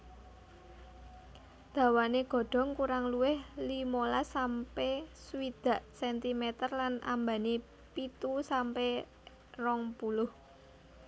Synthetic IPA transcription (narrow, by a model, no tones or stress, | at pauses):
d̪̥ä̤waneɡ̥ɔ̤ɖ̥ɔ̤ŋkuɾaŋluwɪhlimolasampesuwid̪̥a̤ʔsɛnt̪imɛt̪ərlanʔa̰mbani | pit̪usampe | rɔŋpulʊh